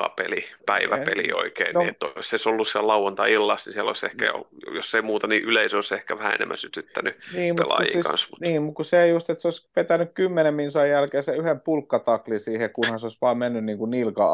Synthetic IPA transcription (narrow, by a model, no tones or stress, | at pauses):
ɑ̰pelipæiʋæpelḭo̰ikḛiniet̪ːoseisolːussiællɑuwɑnt̪ɑilːɑsnisiælo̰isḛhkæ̰jo̰josːeimuːt̪ɑniʔyleisoisehkæʋæhæ̰ḛnḛmːæ̰nsyt̪yt̪ːænyniːmuelɑ̰jiːkɑ̰nsmut̪niːmukkusseeijust̪et̪seoˑispʋet̪ænykkymːenemminsɑijjælkeːseyhempulkːɑt̪ɑklisiːhekkunhɑnseoisʋɑːmmenːynniːŋkunnilkɑ̰